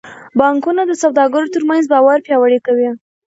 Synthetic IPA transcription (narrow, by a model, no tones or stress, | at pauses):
bɑŋkunad̪əsawd̪ɑɡəɾot̪əɾmanzbɑwaɾpjɑwaɽikawi